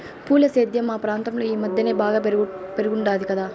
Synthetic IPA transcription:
puːlɐseːd̪jɐmːaːpɾaːnt̪ɐmloːiːmɐd̪jɐneːbaːɡɐpeɾɯɣuɳɖaːðikɐðaː

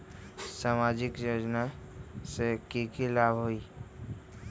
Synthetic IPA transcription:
saːmaːd͡ʒɪkjoːd͡ʒnasekikilaːbɦoiː

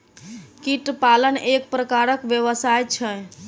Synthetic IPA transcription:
kiʈpalənek̚pɾəkaɾəkʋjəʋəsajt͡ʃʰɛ

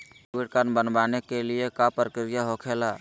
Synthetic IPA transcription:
iʈ̚kaɾnbənbaːnekeliekapɾəkɾijaɦokʰelaː

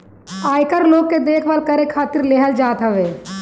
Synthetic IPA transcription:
aːjkəɾloːɡ̚ked̪eːkʰʋaːlkəɾekʰaːt̪ɪɾleɦəld͡ʒaːt̪ɦəʋeː

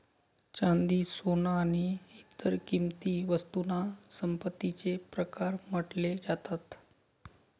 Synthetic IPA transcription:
t͡ɕand̪iːsonaːɽ̃iit̪ːəɾkimt̪iːʋəst̪unasəmpət̪ːit͡sepɾəkaɾməʈled͡zat̪at̪

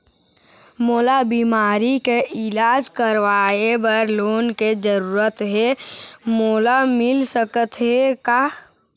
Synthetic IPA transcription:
moːlabiːmaːɾikeʔɪlaːd͡ʒkəɾʋaːebəɾloːnked͡ʒəɾuːɾət̪ɦemoːlamɪlsəkət̪ɦekaː

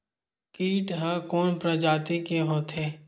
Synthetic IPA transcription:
kiːʈɦəkoːnpɾəd͡ʒaːt̪ikeɦoːt̪ʰɦeː

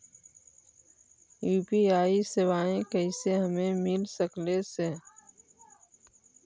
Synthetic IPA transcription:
juːpiaːisɪwaːẽkəɪseɦəmẽmɪlsəklese

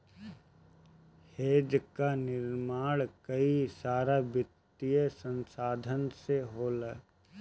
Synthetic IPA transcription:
heːd͡ʒkanɪɾmaːɽkɐisaːɾabɪt̪ːijəsə̃nsaːd̪ʱənseɦoːlə

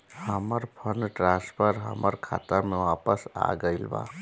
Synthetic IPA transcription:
həməɾpʰənʈɾãspʰəɾɦə̰məɾkʰa̰t̪əɾmeʋaːpəsa̰ɡəɪlba̰

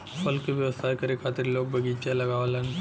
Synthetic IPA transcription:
fɐlkeʋjɐʋəsaːjkɐɾekʰaːt̪ɪɾloːɡ̚bʱɐɡiːt͡ʃalɐɡaːʋalan

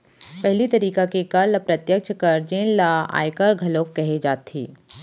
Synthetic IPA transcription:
pɛɦlit̪ɐɾiːkakekɐlpɾɐt̪jək̚t͡ʃʰkɐɾd͡ʒẽːnlaa̰ːjkəɾɡʱɐlõːkːɛɦed͡ʒaːt̪ḭː

